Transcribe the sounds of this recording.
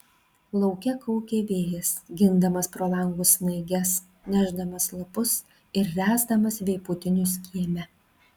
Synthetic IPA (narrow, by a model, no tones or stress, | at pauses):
lˠɒʊkʲɛkɔʊkʲeːʋʲeːjɛsɡʲɪnd̪ɐmɐspɾoːlˠɐŋɡʊsnɐɪɡʲɛs | nʲæːʒd̪ɐmɐslˠɐpʊs | ɪɾːʲæːzd̪ɐmɐsʋʲɛɪpʊt̪ʲɪnʲʊsʲkʲiɛmʲɛ